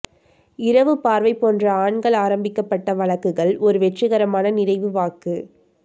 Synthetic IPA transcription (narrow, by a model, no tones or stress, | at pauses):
ɪɾɐʋɯpaːɾʋɐɪpːoːndrɐaːɳɡɐɭaːɾɐmbɪkːɐpːɐʈːɐʋɐɭɐkːɯɣɐɭɔɾɯʋɛʈrɪɣɐɾɐmaːnɐnɪɾɐɪʋɯʋaːkɯ